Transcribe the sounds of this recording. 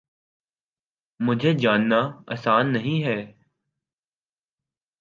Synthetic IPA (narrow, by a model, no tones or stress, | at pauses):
mʊd͡ʒʱed͡ʒaːnːaɐ̰saːnːɐɦĩɦɛː